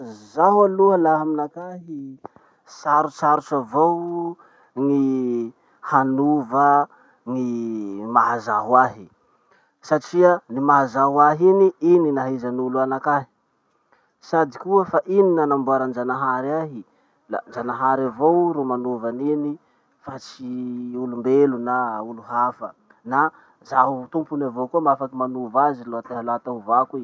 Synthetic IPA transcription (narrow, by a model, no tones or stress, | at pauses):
zaɦwaluəlaɦaminakaɦi | saɾut͡saɾut͡ʃavow | ŋi | hanuvə | ŋimaɦazaɦwaɦi | saʈ͡ʂiənimaɦazaɦwaɦiniininaɦizanuluanakaɦi̥ | sad̪ikuəfaʔininanambuaɾand͡ʒanaɦaɾaɦi | la̰nd͡ʒanaɦaɾavowɾumanuvanini | fat͡siulumbelunauluɦafə | na | zaɦut̪umpunavokuəmafakimanuvaziloat̪aɦaloat̪aɦuvakui